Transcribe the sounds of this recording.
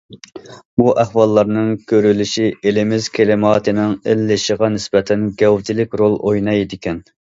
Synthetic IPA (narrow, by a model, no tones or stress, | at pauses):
buʔæhwɑlˠːɑɾnɨŋkʲʰøɾylyʃielɪmɪz̥kʲʰelɪmɑːt̪ʰɨnɪŋelːɪʃəʁɑnɪsbɛt̪ʰɛnɡʲɛwt̪ɪlɪkʲɾolˠʔojnɑjd̪ɪkʲʰɛn